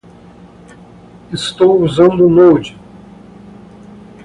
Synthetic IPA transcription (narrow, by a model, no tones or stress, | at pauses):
ɪst̪owuzɐ̃nd̪ʊnowd͡ʒi